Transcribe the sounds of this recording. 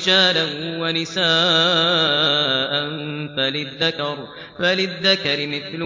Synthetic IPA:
d͡ʒaːlanwanɪsaː | ʔanfalɪðːakɑɾˤ | falɪðːakɑɾɪmɪθlʊ

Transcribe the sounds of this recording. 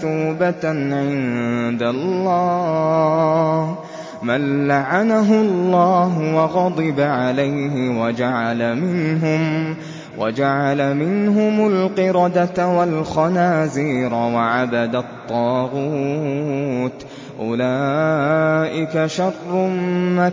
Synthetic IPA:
uːbat̪ʕɪnd̪alˤːɑː | h | manlaʕanaɦʊllˤːɑːɦʊwɑɣɑd̪ˤɨbaʕalajhɪwad͡ʒaʕalamɪnɦʊm | wa̰d͡ʒaʕalamɪnɦʊmalqɨɾɑd̪at̪walxɑnaːziːɾwaʕabad̪at̪ˤːɑːɣu | t̪ | ʔʊlaːʔɪkaʃɑrˤːʊmma

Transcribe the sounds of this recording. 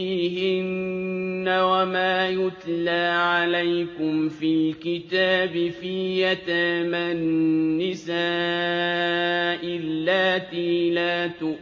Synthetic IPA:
iːɦɪnː | awamaːjʊt̪laːʕalajkʊmfilkɪt̪aːbɪfiːjat̪amanːɪsaː | ʔɪlːaːt̪iːlaːt̪ʊ

